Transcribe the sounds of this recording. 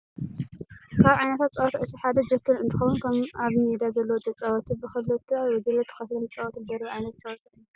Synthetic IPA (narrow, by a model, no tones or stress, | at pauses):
kʰaβʕajnɐt̪ʰat̪̚t͡sʼɐwɐt̪ʰʔɨt̪ʰiħad̪ɐd͡ʒɐt̪ʰɨɾɨnt̪ʰɨ̥xɐwunkʰɐmaβmed̪azɐlːɐwot̪ʼɨt͡sʼɐwɐt̪ʰibɨxɨlːɨt̪ʰːajwɐɡɐlɐt̪ʰːɨ̥xɐt̪lɐnt͡sʼɐwɔt̪d̪ɐɾβiʕajnɐt̪t͡sʼɐwɔt̪ɐɨ